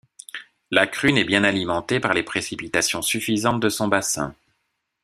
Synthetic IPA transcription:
lakχynɛbjɛ̃nalimɑ̃t̪epaʁlepχesipit̪asjɔ̃syfizɑ̃t̪̚d̪əsɔ̃basɛ̰̃

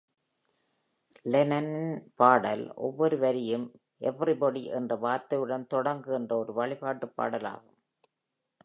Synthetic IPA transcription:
lɛnɐnpaːɽɐlʔɔ̰ʋːɔɾɯʋɐɾɪjɯm | ʔɛʋːrɪbɔɽiʔɛ̰ndrɐʋaːɾt̪ɐʋɪɽɐnt̪ɔɽɐŋɡɯɛndrɐɔɾɯʋɐɭɪpaːʈːɯpːa̰ːɽɐla̰ːɣɯm

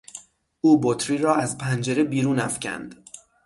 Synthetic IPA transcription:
ʔuːbot̪ʰɾiːɾɒːæzpʰænd͡ʒe̞ɾebiːɾuːnæfcʰæ̰nd̪̥

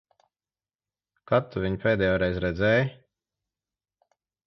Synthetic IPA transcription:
kat̪ːuvʲiɲpʲeːd̪ɛjoːɾɛjzɾɛd̪zʲɛːj

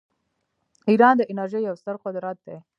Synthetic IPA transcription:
iɾɑnd̪əʔɪnaɾʒejːawst̪əɾqʊd̪ɾat̪̚d̪e

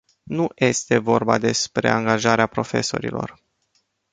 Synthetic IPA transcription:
nuje̞st̪e̞vo̞rba̰d̪e̞spɾe̞̰aŋɡaʒaɾeapɾo̞fe̞so̞ɾḭlo̞̰r

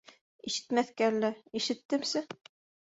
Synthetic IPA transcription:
iʃɘ̥t̪mæθkæɾlːɘiʃɘ̆t̪ːɘ̆msɘ

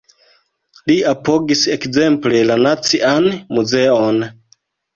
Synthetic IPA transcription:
liapo̞ɡise̞kze̞mple̞lanat͡sianmuze̞on

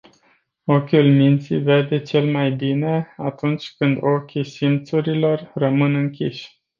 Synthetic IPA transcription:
okʲulmint̪sḭve̞rd̪e̞t͡ʃe̞lmajbine̞at̪unt͡ʃʲkɨnd̪o̞kʲisimt̪suɾilo̞rːəmɨnɨŋkʲḭʃʲ

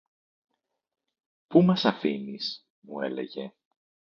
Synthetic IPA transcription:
pumɐsɐfinis | mue̞̰le̞̰ʝe̞

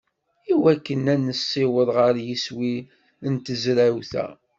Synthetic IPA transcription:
iwækːənænːəsːɪwəðˤʁəɾjiswi | ənt̪əzɾæwθæ̰

